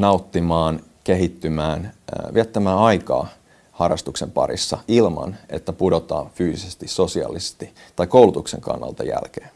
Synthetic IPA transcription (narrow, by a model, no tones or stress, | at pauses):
nɑut̪ːimɑːn | keɦit̪ːymæːnʋiæt̪ːæmæːɑikɑ̰ː | hɑrˑɑ̰st̪uksempɑ̰rḭsːɑilmɑ̰nḛt̪ːæpudot̪ɑ̰ːɱfyːsisest̪issosiɑ̰lise̥st̪it̪ɑikoulut̪uksḛŋkɑ̰nːɑ̰lt̪ɑjæ̰lkeːn